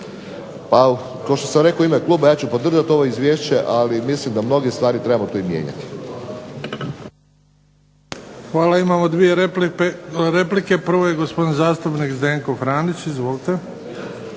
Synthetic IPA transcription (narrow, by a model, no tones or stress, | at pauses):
pa | kaoʃt̪osamɾe̞koimeklˠuːbajaːt͡ɕupo̞d̪r̩ʒat̪o̞ʋoizʋʲjeːʃt͡ɕeʔalimislimd̪amno̞ɡest̪ʋaːɾit̪ɾe̞bamot̪oimjḛːɲa̰t̪i̥ | xʋaːlaimaːmo̞d̪ʋije | ɾeplike̞prɾ̩ʋojeɡospo̞d̪inzaːst̪upnikzd̪eːŋkofɾaːnit͡ɕizʋo̞lit̪e